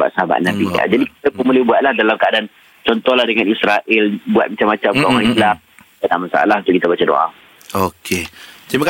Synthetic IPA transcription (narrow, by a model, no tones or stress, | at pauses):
ba̰ʔ̪̚səɦaba̰ʔ̪̚nabia̰d͡ʒadik̚it̪apʊnmulɪbuat̪̚lahdalamkaadan | t͡ʃɔnt̪ɔhlahdəŋanisɾaʔɪlbua̰t̪̚mat͡ʃamːat͡ʃamkʔoŋãisla | kanamasa̰ʔa̰laɦunt̪ʊukit̪abat͡ʃado̰ʔa̰ | okʰet̪imak